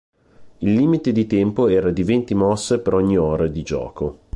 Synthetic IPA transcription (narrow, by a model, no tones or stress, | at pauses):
ilːiːmit̪ed̪it̪ɛmpoɛːɾad̪ivent̪imɔsːepeɾɔɲːioːɾad̪id͡ʒɔ̰ːko